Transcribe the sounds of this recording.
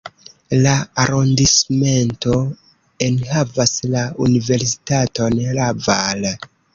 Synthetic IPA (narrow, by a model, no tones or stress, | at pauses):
laaɾondisme̞nto̞ | enhavaslaunive̞ɾs̬i̥tato̞nɾaval